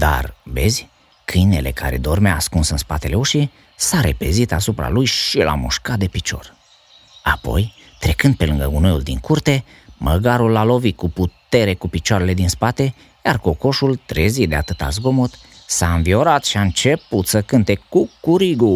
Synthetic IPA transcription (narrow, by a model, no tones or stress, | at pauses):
d̪a̰rbe̞zʲ | kʰɨjne̞̰le̞ka̰ɾe̞̰d̪o̞rmaːskunsɨnspat̪e̞le̞uʃi | saɾe̞̰pe̞zit̪asupɾa̰lujʃilʔa̰mṵʃkat̪̚d̪e̞pit͡ʃo̞̰r | apo̞̰j | t̪ɾe̞kɨnd̪̚pe̞lɨŋɡəɡunojuld̪ḭŋkurt̪e̞ | mʔəɡaɾulːalo̞vit̪̚kuput̪e̞ɾe̞kupit͡ʃaɾe̞le̞d̪inspat̪e̞ | jarko̞ko̞ʃult̪ɾezid̪eat̪ɨt̪a̰zɡo̞mot̪ | saɨnvio̞ɾat̪ʃiaɨnt͡ʃe̞put̪səkɨnt̪e̞kukuɾiɡu